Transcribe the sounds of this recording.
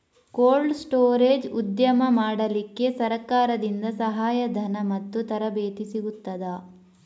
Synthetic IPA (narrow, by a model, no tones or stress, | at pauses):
koːlɖsʈoːɾeːd͡ʒud̪jɐmɐmaːɽɐlikːe̞sɐɾɐkaːɾɐd̪ind̪ɐsɐɦaːjɐd̪ʱɐnɐmɐt̪ːut̪ɐɾɐbeːt̪isiɡut̪ːɐd̪ɐ